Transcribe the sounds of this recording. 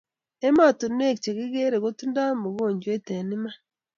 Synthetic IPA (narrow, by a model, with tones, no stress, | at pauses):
e˦ma˦˨to˨n˦ne˦kt͡ʃe˨ɣi˦ɡe˦ɾe˨ɣo˦tu˦nda˦mu˨βoː˦˨ɲɟwe˦te˨ni˦ma˦